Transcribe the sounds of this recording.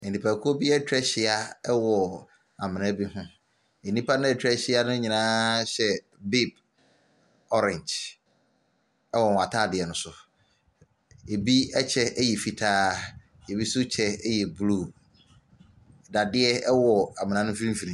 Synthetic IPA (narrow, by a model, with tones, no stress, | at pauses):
e˨nĩ˨pʰa˨kʰʊ˦o˦bi˦ɛ˦tʰᶣɾɛ˦ɕɪ˨a˦ɛ˦wɔ˨ | a˨mɪ̃˨nã˦bi˦ɦʊ̃˦ | e˨nːĩ˦pʰa˦nʊ̃˦ɛ˨tʰᶣɛ˦ɕɪ˦a˦nʊ̃˦ɲĩ˨nãː˦ɕɛ˨ | bi˦b | ɔ˦ɾɛ̃˨nd͡ʒ | ɛ˦wɔ˨n˨a˨tʰaː˦˨dɪ˨ɛ˨nʊ̃˨˦sʊ˨ | e˨bi˦ɛ˦t͡ɕʰɛ˦ɛ˦jɛ˨fi˨tʰaː˦ | e˨bi˦sʊ˦t͡ɕʰɛ˦jɛ˨blu˦˨ | da˨dɪ˦ɛ˦ɛ˦wɔ˨a˨mɪ̃˨nã˦nʊ̃˦fi˦ɾĩ˦m̩˦fi˨ɾĩ˨˦